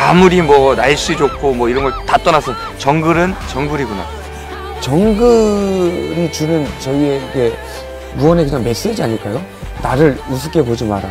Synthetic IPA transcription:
amuɾimwʌnaɭɕ͈id͡ʑokʰomwʌiɾʌnɡʌɭtat͈ʌnasʰɯn | t͡ɕʌŋɡɯɾɯnt͡ɕʌŋɡɯɾiɡuna | t͡ɕʌŋɡɯ | ɾit͡ɕunɯnt͡ɕʌie̞iɡe̞ | muʌne̞kɯɲaŋme̞s͈ed͡ʑiaɲɯɭk͈ajo | naɾɯɭmusʰɯk͈ʰe̞pod͡ʑimaɾa

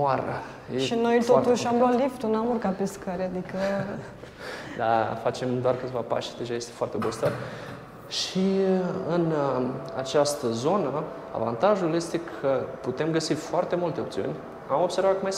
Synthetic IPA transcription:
aɾə̰ | jeʃino̞jt̪ot̪uʃamloat̪lift̪unamurkapeskəɾad̪ikə | d̪afat͡ʃe̞md̪oarkɨt̪evapa̰ʃd̪e̞ʒaje̞st̪efoart̪ebost̪ət̪ | ʃiɨna̰t͡ʃast̪əzo̞nə | a̰va̰nt̪aʒulje̞st̪e̞kʰəput̪e̞mɡəsifoart̪e̞mult̪eo̞pt̪siṵnʲ | amo̞bse̞rvatkmaj

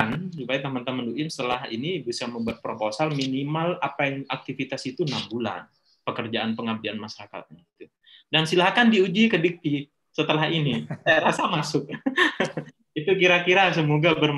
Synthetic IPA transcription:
nt͡ʃupait̪amant̪amanduʔɪnsə̥t̪əlaɦḭnibisaməmbuat̪̚pɾoposalminimalapajaŋak̚t̪ifit̪asit̪unabula̰n | pəkərd͡ʒaʔanpəŋab̚dianmaʃaɾaka̰t̪̚ɲaɡit̪u | dansilahkandiud͡ʒikədik̚t̪i | sət̪əlahinisajaɾasamasʊk̚ | it̪ukiɾakiɾas̬əmoɡabərm

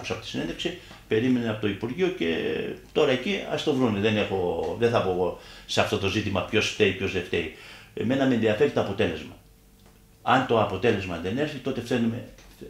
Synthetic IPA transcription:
kosɐpo̞t̪i̥sine̞nðefksi | pe̞ɾime̞neɐpot̪o̞ipuɾʝio̞ce̞̰t̪o̞ɾɐe̞ciɐ̰st̪o̞vɾuneðe̞ne̞xo̞ðeθɐpo̞ɣoseɐft̪o̞t̪o̞zit̪imɐpço̞sft̪eipço̞zðe̞ft̪e̞iḛme̞nɐmenðiɐfe̞ɾit̪oɐpo̞t̪e̞le̞zmɐ | ɐnt̪o̞ɐpo̞t̪e̞le̞zmɐðe̞ne̞ɾçit̪o̞t̪e̞fθe̞nume̞

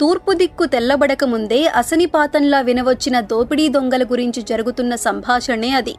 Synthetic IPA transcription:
t̪uːɾpud̪ikːut̪ɛlːɐbɐɽɐkɐmund̪e̞ːʔɐsɐnipaːt̪ɐnlaːʋinɐʋɐt͡ʃːinɐd̪oːpiɽiːd̪oŋɡɐlɐɡuɾiɲt͡ʃid͡ʒɐɾuɡut̪unːɐsɐmbʱaːʂɐne̞ːɐd̪ḭ

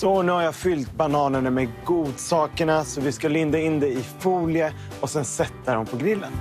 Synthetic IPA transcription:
sɔnʉːhaɾjɑːfʏlt̪̚banɑːnəɳamɛɡuːd̪sɑːkəɳasɔvɪskalɪnd̪aɪnd̪ɛɪfuːlɪjə | ɔsɛnsɛt̪ːaɾɔmpʰɔɡɾɪlːə̰n

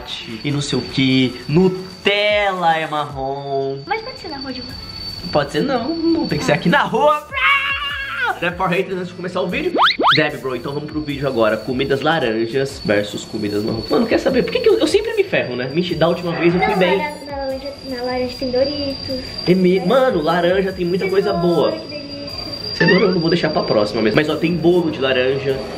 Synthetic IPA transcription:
t͡ʃɪɪnɐ̃sejʊkʰenʊt̪ɛlɐɛmaɦõmɐspɔd͡ʒɪ̥seɾnɐhuɐd͡ʒɪũmɐ | pɔd͡ʒɪseɾnɐ̃w̪̃ɐ̃w̃t̪ẽkɪseɾakinɐɦuɐ | d̪̥ɛbɪpaɦejt̪ezɐ̃t͡ʃɪzd͡ʒɪkõmesaʊvid͡ʒʊd̪ɛbɪbɾoẽt̪ɐ̃w̃vɐ̃mʊspɾʊvid͡ʒʊaɡɔɾɐkomid̪ɐzlaɾɐ̃ʒɐsvɛ̰ɾsʊskomid̪ɐznɐ̰ɦuɐmɐ̃nʊkɛɾsabeɾpoɾkekɪewewsẽmpɾɪmɪfɛɦʊnɛmĩt͡ʃɪd̪ault͡ʃimɐvejzewfujbẽj̃nɐlaɾɐ̃ʒɐnɐlaɾɐ̃ʒɐt̪ẽj̃d̪oɾit̪ʊɪmɪmɐ̃nʊlaɾɐ̃ʒɐt̪ẽj̃mũj̃t̪ɐkojzɐboɐ | ei | sẽnõewnɐ̃vowd̪ejʃaɾpɾapɾɔsimɐmezmajzɔt̪ẽj̃bolʊd͡ʒɪlaɾɐ̃ʒɐ

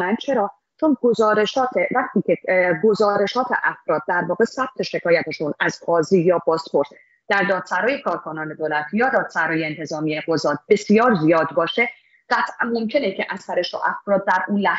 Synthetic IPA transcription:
ænt͡ʃʰe̞ɾɒː | t͡ʃʰonɡo̞zɒːɾe̞ʃɒːt̪ʰevæχt̪ʰiːcʰeɡo̞zɒːɾe̞ʃɒːt̪ʰe̞̰ʔæfɾɒːd̪̚d̪ːæɾvɒːɣe̞sæb̥̚t̪ʰe̞ʃe̞kʰɒːjæt̪ʰeʃunæzqɒːziːjɒːbɒːspʰo̞ɾs | d̪̥æɾd̪ɒːd̪̥sæɾɒːjekʰɒːɾkʰonɒːne̞d̪oːlæt̪ʰjɒːd̪ɒːd̪̥sæɾɒːjeːnt̪ʰe̞zɒːmijeɡozɒːt̪̚be̞sijɒːɾzijɒːd̪̚bɒːʃe̞ | ɢ̥æt̪ʰʔænmo̞mcʰe̞necʰeʔæsæɾeʃo̰ʔæ̰fɾɒːd̪̚d̪æɾʔuːlæ

